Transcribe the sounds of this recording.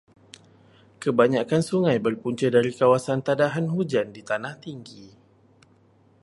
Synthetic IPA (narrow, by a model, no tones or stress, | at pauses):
kəbaɲakansuŋãjbərpuɲt͡ʃədaɾikawasant̪adaɦanhud͡ʒandit̪anaht̪iŋɡi